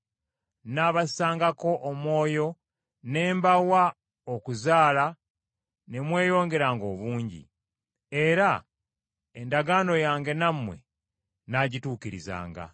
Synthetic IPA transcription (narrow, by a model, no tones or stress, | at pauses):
naːβassaːŋɡako̞ʔːmwo̞ːjo̞ | ne̞ːmbawa | okuzaːla | ne̞mwe̞ːjo̞ːŋɡe̞ɾaːŋɡo̞ːβuːɲɟḭ | e̞ɾa | endaɡaːno̞jaːŋɡe̞namːwe̞̰ | naɟituːkiɾḭza̰ːŋɡa̰